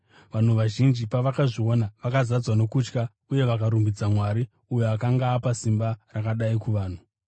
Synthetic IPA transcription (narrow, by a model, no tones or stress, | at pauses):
ʋan̤uʋaʒind͡ʒipaʋakaʐio̞naʋakazad͡zwano̞kut͡ʃka | uje̞ʋakaɾumbid͡zamwaɾi | ujoakaŋɡaːpasimbarakaɗaikuʋaːn̤u